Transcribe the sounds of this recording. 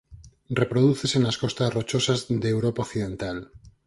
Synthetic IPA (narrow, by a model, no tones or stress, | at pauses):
rre̞pɾoðuθe̞senlasko̞st̪asrot͡ʃo̞sazðeːwɾopaokθiðẽ̞nt̪al